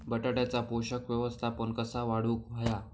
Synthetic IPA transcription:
bəʈaʈjat͡sapoɕəkʋjəʋəst̪ʰapəɳkəsaʋaɽuːkɦəja

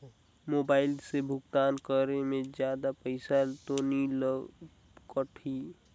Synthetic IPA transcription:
moːbaːɪlsebʱʊɡt̪aːnkəɾemẽd͡ʒjaːd̪apəɪsat̪onilə | kəʈʰi

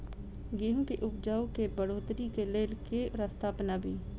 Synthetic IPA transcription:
ɡiɦũkeʔʊpd͡ʒaːokebəɽoːt̪ɾikeleːlkeɾəst̪ʰaːpnaːbʱiː

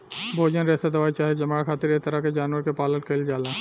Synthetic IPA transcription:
bʱoːd͡ʒənɾɛɦt̪ad̪ɐʋaːit͡ʃaːɦed͡ʒɐmaːkʰaːt̪iɾet̪əɾaked͡ʒaːnʋəɾkepaːlən̚kəld͡ʒaːla

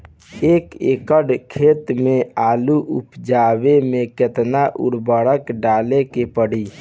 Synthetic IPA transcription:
eːkekəɽkʰeːt̪meaːluʔṵpd͡ʒabemẽket̪naʔṵɽbəɽəkɖalekepəɽi

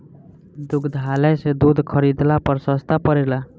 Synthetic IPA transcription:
d̪ukʰd̪ʱaləjsed̪ud̪ʱkʰəɾid̪lapəɾsəst̪ʰapəɾela

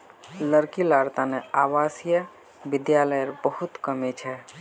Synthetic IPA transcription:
ləɾkilaɾt̪aneaʋasjə | bid̪jaləjəɾbəhut̪kəmet͡ʃʰɛ

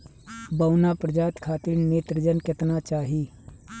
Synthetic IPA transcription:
bɐwnapɾəd͡ʒaːt̪kʰaːt̪iɾneːt̪ɾəd͡ʒənkɪt̪nat͡ʃaːɦiː

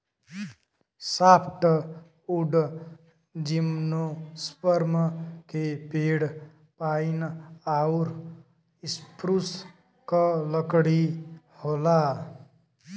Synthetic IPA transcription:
sapʰʈ̪ʌ | uɖ | d͡ʒimnospʌɾmʌkepeɽ | painauɾ | ispɾus | kʌlʌkɽi | hola

